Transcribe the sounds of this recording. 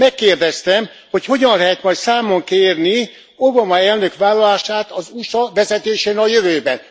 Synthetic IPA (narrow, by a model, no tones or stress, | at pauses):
mɛkːeːrd̪ɛst̪ɛm | ho̞cho̞ɟɒnlɛɦɛt̪mɒjt̪saːmoŋkeːrni | o̞bɒmɒɛlnø̞kʋaːlːɒlaːʃaːt̪ɒzuʃɒʋɛzɛt̪eːʃeːnɒjøvøːbɛn